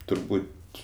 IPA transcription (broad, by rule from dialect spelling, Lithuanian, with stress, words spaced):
tʊrˈbuːtʲ